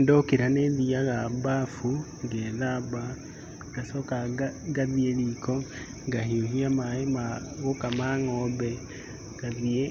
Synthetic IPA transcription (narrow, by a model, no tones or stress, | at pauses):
ndokiɾaneðiaɣabafu | ŋɡeðaβa | ŋɡasokaɡaðielikʰo | ŋɡahioɦiamaemaɣokamaŋɔbɛ | ɡ̥aðie